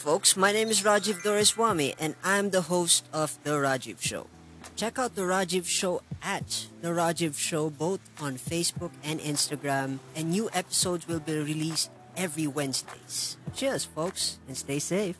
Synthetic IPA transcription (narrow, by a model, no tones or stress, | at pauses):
foʊksmaɪñẽɪ̃mɪzɹɑd͡ʒɪvdɔɹɪswamiʔɛ̃nãɪ̃md̪əɦoʊstɔvðəɹɑd͡ʒɪv̥ʃo̰ʊ | t͡ʃɛkaʊt̪̚d̪əɹad͡ʒɪvʃoʊʔæt̪̚ðəɹɑd͡ʒɪvʃoʊboʊt̪ɔ̃nfeɪsbʊkɛ̃nɪ̃nstəɡɹæ̃mɛ̃nːjuːʔɛpɪ̥soʊdzwɪlˠbiɹiliːst̚ | ɛvɹiwɛ̃nzdḛɪz̥ʃiɹsfoʊksɨ̃nsteɪseɪf